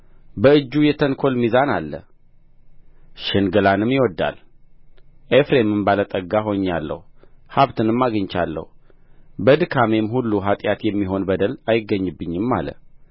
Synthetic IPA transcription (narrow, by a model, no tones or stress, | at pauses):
bəɨd͡ʒːujɛt̪ʰənkʰo̞lmizanalːə̰ | ʃɨnɡəlanɨmjɪwɔd̪ːa̰l | ʔefɾemɨmbalət̪ʼəɡaɦo̞ɲːalːə̰huhaβt̪ɨnɨmːaɡɨɲt͡ʃa̰lːə̰hu | bəd̪kʰamemhulːuɦat̪ʼjat̪jɛmːiɦo̞nbəd̪əlajɪɡːəɲːɨbːɨɲːɪmːa̰lə̰